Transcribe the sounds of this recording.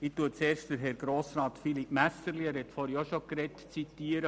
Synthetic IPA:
ɪtuət͡seːɾʃtdəɾɦɛɾɡɾoːsɾɑːtfilipmæsəɾliɛɾhɛt̪fɔɾiɔʃokɾɛtt͡sitiːəɾə

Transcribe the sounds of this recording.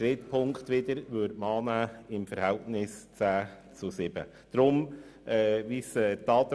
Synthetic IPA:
ɾɪtpʰʊŋkt̪ʋɪd̪əɾʋøɾtmɑːnæːɪmfəɾhɛltnɪst͡sæː | t͡sʊsɪb̥ə̰ | d̥ɾʊmɛːvisɛt̪ɑːt̪

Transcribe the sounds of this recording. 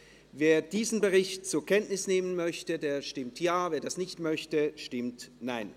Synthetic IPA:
veːɐd̥iːzn̩bəʁɪçt̚t͡suːɐkʰɛntnɪsneːmənmœçtədeːɐʃtɪmtjaːveːɐdasnɪçtmœçtəʃtɪmtnaɪn

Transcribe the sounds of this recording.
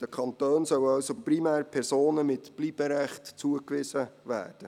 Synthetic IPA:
d̥əkʰɑnt̪øːnsœwɑwsoprimæːɾpʰɛɾsoːnəmɪtb̥liːb̥əɾɛχtt͡suəkʋɪsəvæ̰ːrd̥ə

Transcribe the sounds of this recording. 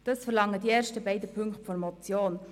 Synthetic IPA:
d̥ɑsfɛɾlɑŋːəd̥iɛːɾʃtəbaɪdəpʰʏŋkχtfɔɾmɔt͡sjoːn

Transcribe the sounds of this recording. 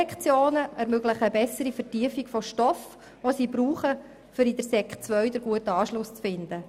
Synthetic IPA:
ɛkt͡sjoːnəʔɛɾmøɡləχəbɛsəɾifətiəfiɡfɔʃtɔf | ʋosiːbɾuːχə | fʏɾid̥̪əɾsɛkχt͡sʋœɥd̥̪əɾɡuətəɑːʃlʊst͡sfɪnd̥̪ə

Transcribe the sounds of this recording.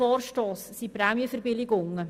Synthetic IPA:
ɔːɾʃtoːssipɾæːmjəfəɾbɪlɪɡʊŋːə

